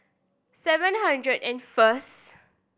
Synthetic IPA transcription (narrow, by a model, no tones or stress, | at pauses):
sɛvə̃nhãndɹədɛ̃nfəs